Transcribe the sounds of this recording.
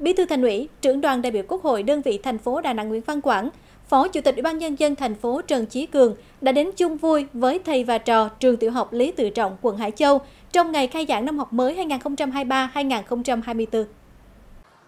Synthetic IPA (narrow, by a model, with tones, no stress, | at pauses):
ɓi˨˦t̪ʰɨ˧t̪ʰjŋ̟wḭ˧˥˨t͡ɕɨ̰˧˩əŋɗwaː˨˩nɗa̰ː˧˨jɓi˧˨əwku˦˥ək̚ho̰˧˨jɗəː˧nvḭ˧˨t̪ʰɛ˨˩jŋ̟fo˨˦ɗa̰ː˧˨na̰˧˨ŋw̰ənva˧nkwaː˧˩n | fɔ˨˦t͡ɕṵ˧˩t̪i˨˩k̚ʔi˧˥˩ɓaː˧nɲə˧nzə˧nt̪ʰɛ˨˩ŋ̟fo˨˦t͡ɕə˨˩nt͡ɕi˨˦kɨ˨˩əŋ | ɗa̰ː˧˥ɗe˨˦nt͡ɕʊ˧ŋ͡mvu˧jvəː˨˦jt̪ʰə˨˩jvaː˨˩t͡ɕɔ˨˩t͡ɕɨ˨˩əŋt̪ḭ˧˨əwɦa˨˩wk͡p̚li˨˦t̪ɨ̰˧˨t͡ɕɔ̰˧˨wŋ͡mkwə˧˩nɦa̰ː˧˩jt͡ɕə˧w | t͡ɕɔ˧wŋ͡mŋa˨˩jxaː˧jza̰ː˧˩ŋna˧mhɔ˨˩wk͡p̚məː˨˦jɦaː˧jŋaː˨˩nxə˧wŋ͡mt͡ɕa˧mɦaː˧jɓaː˧haː˧jŋaː˨˩nxə˧wŋ͡mt͡ɕa˧mɦaː˧jmɨ˧əjt̪ɨ˧